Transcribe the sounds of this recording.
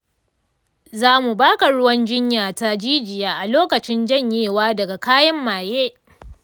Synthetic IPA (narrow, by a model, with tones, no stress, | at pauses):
zaː˦mu˨baː˦ka˨ɽʊ˦wɐ˦nd͡ʒɪ˦ɲjaː˨ta˦d͡ʒiː˦d͡ʒɪ˨jaː˨ʔa˨loː˦kɐ˨t͡ʃɪ˦nd͡ʒɐ˦˨ɲjeː˦˨waː˦dɐ˨ɡa˨kaː˦jɐ˦mːaː˨jeː˦